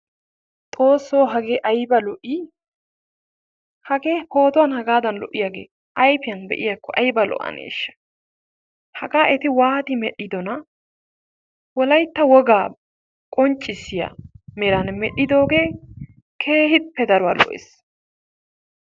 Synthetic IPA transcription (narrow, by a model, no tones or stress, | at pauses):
t̪ʼo̞ːsːoːɦɐɡeːʔɐjbɐlɔʔi | hɐɡeːpo̞ːt̪ɔwɐnhɐɡaːd̪ɐnlɔ̰ʔːɪjaɡḛː | ʔɐjfɪjɐnbɛ̰ʔɪjɐkːɔʔɐjbɐlɔ̰ʔɐ̰nḛːʃːɐ̥ | hɐɡaːʔɛt̪ɪwaːt̪ɪmɛɗːɪd̪ɔnɐ | wɔlɐjt̪ːɐwɔɡaː | kʼɔnt͡ʃʼːɪsːɪjɐ̰mɛɾɐnmɛɗɪd̪o̞ːɡe̞ː | kʰe̞ːhɪpːɛd̪ɐɾʊwɐlɔ̰ʔḛːs